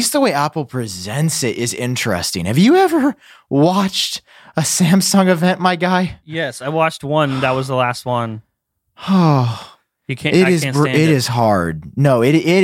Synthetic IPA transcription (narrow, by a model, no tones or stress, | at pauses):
sðəweɪæpl̩ˠpʰɹ̥izɛ̃ntsɪɾʔɪzɪ̰̃nt͡ʃɹ̥ɛ̰stɪ̰̃ŋhɨvjɨɛvə˞ | wɑt͡ʃt | əsæ̃msɔ̃ŋɨvɛ̃nʔmaɪɡaɪjɛsaɪwɑt͡ʃt̚wʌ̃nðət̚wʌzðəlæst̚wʌ̃n | o | jɨkʰæ̃ɪɾɪz̃æ̃ɪɾɪz̥ɦɑɹd̚noʊɪɾɪɾ